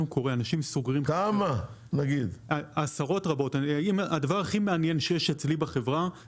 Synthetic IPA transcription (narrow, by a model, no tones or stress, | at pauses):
uko̞ʁeanaʃimsuɡʁimkama | naɡid̪asaʁo̞tʁabo̞taimadavaʁaχimeanje̞nʃejeʃet͡slibaχe̞vʁa